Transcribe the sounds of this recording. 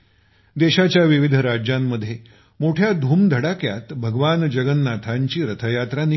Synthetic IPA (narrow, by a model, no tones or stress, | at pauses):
d̪eɕat͡ɕjaʋiʋid̪ʱɾad͡ʑjamːəd̪ʱːje | moʈʰjad̪ʱuːmd̪ʱəɽakja̰t̪bʱəɡʋand͡ʑəɡənːat̪ʰaɲt͡ɕiːɾət̪ʰəjat̪ɾan